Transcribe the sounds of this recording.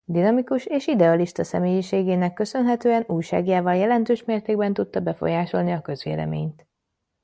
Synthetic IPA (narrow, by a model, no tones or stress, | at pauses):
d̪inɒmikuʃeːʃid̪ɛɒliʃt̪ɒsɛ̰meːjiʃeːɡeːnɛkːø̞sø̞nɦɛt̪øːɛnuːjʃa̰ːɡjaːvɒljɛlɛnt̪øːʃmeːrt̪eːɡ̚bɛnt̪ut̪ːɒbɛfo̞̰jaːʃo̞̰lniɒkø̞zʋḛːlɛ̰mḛːɲt̪